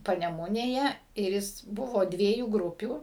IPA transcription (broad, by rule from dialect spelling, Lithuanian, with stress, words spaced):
pɐnʲɛˈmʊnʲeːjɛ ɪr ˈjɪs ˈbʊʋoː ˈdʲʋʲiɛjuː ˈɡrʊpʲuː